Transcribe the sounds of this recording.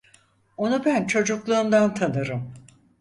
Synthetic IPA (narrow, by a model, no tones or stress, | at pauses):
o̞nubænt͡ʃʰo̞d͡ʒuklˠuːmd̪ant̪ʰanɯɾɯm